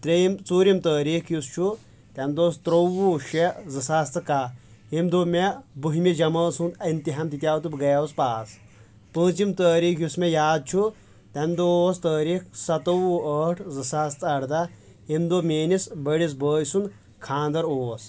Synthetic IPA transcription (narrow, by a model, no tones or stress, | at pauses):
t̪ɾejimt͡suːɾimt̪əːɾiːkjust͡ʃʰu | t̪ɐmd̪oːst̪ɾowuːʃezɨsast̪ɨkaimd̪oːmebɨɦimid͡ʒɐmɐːsund̪ɐnt̪iɦɐmt̪it̪ʲjaːt̪ubɡɐjauspaːs | pəːt͡simt̪əːɾiːkʰjusmejaːd̪̚t͡ʃʰu | t̪ʲɐmd̪oːst̪əːɾiːkʰsɐt̪ɐwuəːʈʰzɨsast̪ɐɽd̪ɐ | imd̪omʲeːnisbɐɽis̬bəːjsun | kʰãːnd̪ɐɾoːs